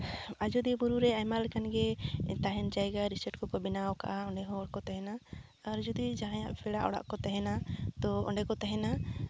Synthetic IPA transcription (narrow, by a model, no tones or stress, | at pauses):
ad͡ʒɔd̪ibuɾuɾɛajmalɛkanɡɛt̪aɦɛnd͡ʒajɡaɾisəʈkɔpɔbinawka̰ʔaɔɳɖɛɦɔ̃ɔɽ̚kɔt̪ɛɦɛnaːɾd͡ʒɔd̪id͡ʒaɦãjaʔbʰɛɽaʔɔ̰ɽa̰ʔkɔt̪ɛɦɛnat̪ɔɔ̰ɳɖɛkɔt̪ɛɦɛna